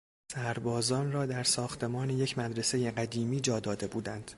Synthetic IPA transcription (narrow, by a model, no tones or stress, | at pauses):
sæɾbɒːzɒːnrɒːd̪æɾsɒːxt̪ʰe̞mɒːneje̞cʰmæd̪ɾe̞se̞je̞ɢæd̪iːmiːd͡ʒɒːd̪ɒːd̪e̞buːd̪ænd̪̥